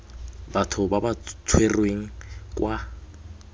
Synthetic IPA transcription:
batʰʊbabat͡sʰwerweŋ̩kʼwʔa

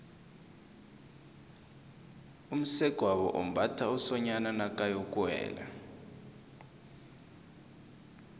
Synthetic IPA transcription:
um̩sɛɡ̥ʱwaβɔ̰ʔom̩batʰausɔɲananakʼajɔkʼwɛ̰ːla̰

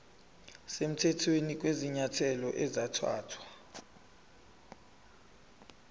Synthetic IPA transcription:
sem̩tʰɛtʰwenik̬ʼweziɲatʰɛlɔʔɛzatʰwa̰ːtʰwa

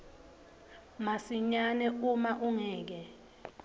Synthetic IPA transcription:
masiɲanɛumaʔuŋɛːk̬ɛ

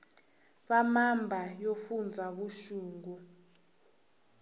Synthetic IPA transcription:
ɓamambʱajofund͡zʱaɓuʃuːŋɡu

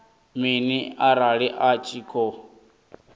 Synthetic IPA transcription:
miniaɾaɺiʔat͡ʃʼiːkʰɔ

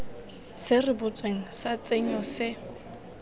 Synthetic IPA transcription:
sɪrɪbʊt͡sʼweŋ̩sat͡sʼeɲɔsɪ

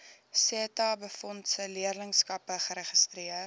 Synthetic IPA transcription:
setɑːbəfɔntsəliərləŋskɐpəχəɾəχəstriə

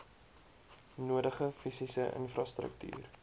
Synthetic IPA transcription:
nuədəχəfisisəʔə̰nfrɑstrə̰k̚ty̰ːr

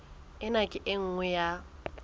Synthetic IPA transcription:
ɪnakʼɪʔɪŋ̩ŋwɛja

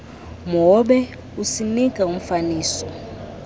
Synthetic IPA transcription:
mɔɓɛ | usinikʼaum̩faniːsɔ

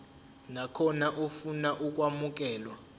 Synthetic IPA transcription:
nakʰɔnaʔufunaʔuk̬ʼwamuk̬ʼɛːlwa

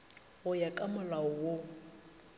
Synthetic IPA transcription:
ɣʊjakʼamʊlaʊwo

